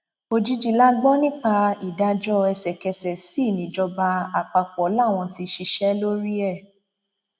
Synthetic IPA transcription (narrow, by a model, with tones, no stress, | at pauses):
o˧d͡ʒi˦d͡ʒi˦˨la˦ɡ͡bɔ˦nĩ˦k͡pa˧i˨da˧d͡ʒɔ˦ɛ˧sɛ˨kɛ˧sɛ˨si˦˨nĩ˨˦d͡ʒɔ˧ba˧a˨k͡pa˧k͡pɔ˨˦la˦˨w̃ɔ̃˧ti˧ʃi˧ʃɛ˦lo˦ɾi˦ɛ˦˨